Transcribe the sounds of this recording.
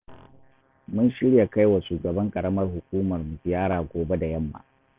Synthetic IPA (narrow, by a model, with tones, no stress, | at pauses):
mʊ˦nʃɪ˦ɽja˨ka˦jwa˨ʃuː˨ɡɐ˨bɐ˦ŋkʼɐ˨ɽɐ˦mɐ˦rhʊ˨kʷuː˦mɐ˨rmu˨ɡɪ˨jaː˦ɽaː˨ɡʷoː˨be˦da˨jɐ˦mːa̰ː˨